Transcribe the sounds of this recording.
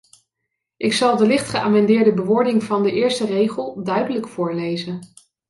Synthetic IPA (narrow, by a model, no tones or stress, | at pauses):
ʔɪksɑlˠdəlɪχtχəʔaːmɛndɪːɹdəbəʋʊːɹdɪŋvɑndəʔɪːɹstərejχəlˠdœɥdələkfʊːɹlejzən